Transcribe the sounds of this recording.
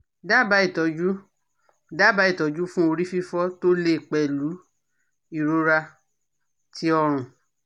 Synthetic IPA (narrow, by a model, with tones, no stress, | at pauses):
da˦˨ba˨˦i˦˨tɔ˨˦d͡ʒu˦ | da˦˨ba˨˦i˦˨tɔ˨˦d͡ʒu˦fũ˦o˧ɾi˦fi˦fɔ˦to˦le˦˨k͡pɛ˨lu˨˦ | i˦˨ɾo˧˦ɾa˧ | tʰi˨˦ɔ˧ɾ̃ũ˨